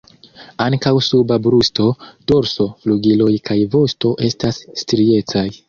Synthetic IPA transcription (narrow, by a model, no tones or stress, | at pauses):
aŋkawsubabɾusto̞d̥o̞ɾso̞fluɡilo̞jkʰajvo̞sto̞ʔe̞stasːtɾie̞t͡saj